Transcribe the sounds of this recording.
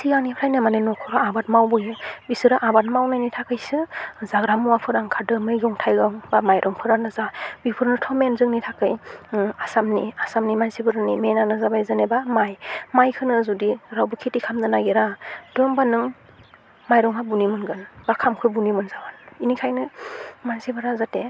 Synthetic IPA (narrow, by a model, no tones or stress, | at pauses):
siɡaŋnipʰɾajnamanenɔkʰɔɾaabat̚mawbɔjɯbisɯɾaʔabat̚mawnajnitʰakɯjsɯzaɡɾamuwapʰɯɾaŋkʰadɯmɯjɡɔŋtʰajɡɔŋbamajɾʔɔŋpʰɯɾaŋdɯzabipʰɯɾnɯtʰɔmenzɯŋnitʰakɯjasamniasamnimansibɯɾanimenanɯzabajzanebamajmajkʰɯnɯzudiɾawbɯkʰitikʰamdɯnaɡeɾad̥ɯmbanɯŋ | majɾɔŋkʰabunimɯnɡɯnbakʰamkʰɯbunimɯnzabaninikʰajnɯmansibɯɾazate